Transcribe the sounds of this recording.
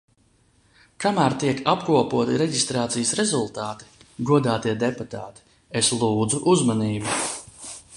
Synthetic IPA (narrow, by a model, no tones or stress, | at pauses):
kamæːɾt̪iɛkapkuɔpuɔt̪iɾɛɟist̪ɾaːt̪sijəsɾezulˠt̪aːt̪i̥ɡuɔd̪aːt̪iɛd̪eput̪a̰ːt̪i̥ | eslˠuːd̪zuʔuzmaniːbi